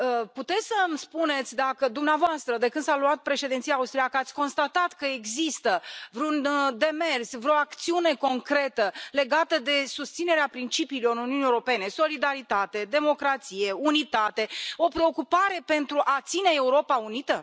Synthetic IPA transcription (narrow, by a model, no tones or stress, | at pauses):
əput̪e̞t̪sʲsəmspune̞t̪sʲd̪akəd̪umneavoast̪ɾəd̪e̞kɨnd̪saluat̪̚pɾe̞ʃe̞d̪ent̪sijaːust̪ɾiakəat̪sʲko̞nst̪at̪at̪kəeɡzist̪əvɾeund̪e̞mersvɾooakt̪siune̞ko̞ŋkɾe̞t̪əle̞ɡat̪əd̪e̞sust̪sine̞ɾeapɾint͡ʃipiːlo̞ɾunijuniewɾope̞ne̞so̞lid̪aɾit̪at̪e̞d̪e̞mo̞kɾat̪sije̞unit̪at̪e̞o̞pɾe̞o̞kupaɾe̞pe̞nt̪ɾuʔat̪sine̞euɾo̞paunit̪ə